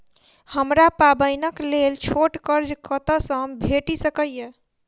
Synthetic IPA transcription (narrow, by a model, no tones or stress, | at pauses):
həmɾapabəjnəklelt͡ʃʰoʈkəɾd͡ʒkət̪əsəbʱeʈisəkəjje